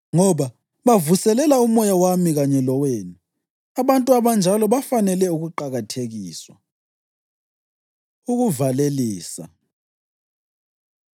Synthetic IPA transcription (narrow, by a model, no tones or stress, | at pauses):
ŋɔβa | βavusɛlɛlaumɔjawamiɣaɲɛlɔweːni | aβantʼuaβand͡ʒʱalɔβafanɛlɛuɣuǃaɣatʰeɣiːswa̰ | uɣuvaleliːsa̰